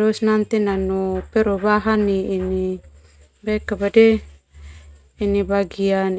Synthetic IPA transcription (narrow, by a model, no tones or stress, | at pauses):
ɾɔsnant̪inanɔpɛɾobaɦaniːni | bɛkabadɛ | inibaɡian